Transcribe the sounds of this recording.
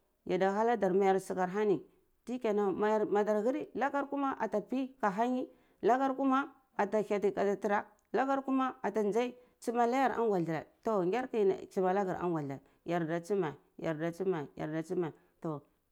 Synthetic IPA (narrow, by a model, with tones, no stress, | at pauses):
ja˨da˨xa˦la˦da˨ɾma˨ja˨ɾsi˨ɡa˨ɾɦa˦ni˨ | ti˦ka˨na˨ma˨ma˨da˨ɾɣi˦ɾi˦la˦ɡa˦ɾku˦ma˦ʔa˨ta˨pi˦ka˨ɦa˦ɲi˦ | la˦ɡa˦ɾku˦ma˦ | a˨ta˨ka˨ti˨ka˨da˨ti˨ɾa˦ | la˦ɡa˦ɾku˦ma˦a˨ta˨nd͡ʒa˦i˦ | t͡ʃi˦ma˦la˦ja˨ɾa̰˦ŋɡʷa˨ɬɾa̰˨to˨ŋɡʲe˦ɾkḭ˦˨t͡ʃi˨ma˨la˦ɡa˨ɾa̰˦ŋɡa˨ɬa̰˨ | ja˨ɾda˨t͡si˦ma˨ | ja˨ɾda˨t͡ʃi˦ma˨ja̰˨ɾda˨t͡si˦ma˨ | to˨